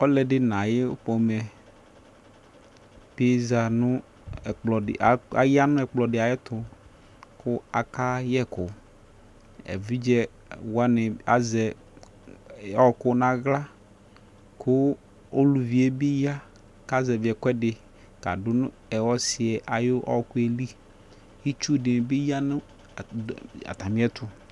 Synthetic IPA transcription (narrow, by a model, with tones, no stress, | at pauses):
ɔ˦lɛ˨dɪ˦nã˨jɪ˦ʊ˦pɔ˨mɛ˨ | pe˦za˨nʊ̃˦˨ | k͡plɔ˨ɪ̰˨a˨a̰˨ja˦nʊ̃˦ɛ˨k͡plɔ˨dɪ˨a˨jɪ˦t̪ʊ˨ | kʊ˦a˨ka˦jɛ˦kʊ˨ | ɛ̰˨vi˦d͡ʒɛ˦ | wa˦nɪ˨a˨zɛ˨ | ɔ˦˨kʊ˦nã˦ɣla˦ | kʰʊ˦ | o˦lu˨vi˨e˦bi˦ja˦ | ka˦zɛ˨vɪ˨ɛ˨kʷɛ˦dɪ˨ | ka̰˨dʊ˦nʊ̃˦ɛ˨wɔ˦sɪ˨ɛ˨ʔa˨jʊ˦ʔɔ̰˦kʊ˦e˨li˦ | i˦t͡ʃu˦dɪ˨n˨bɪ˦ja˦nʊ̃˦˨ | a̰˨t̪a˨mĩ˦ɛ˦t̪ʰʊ˨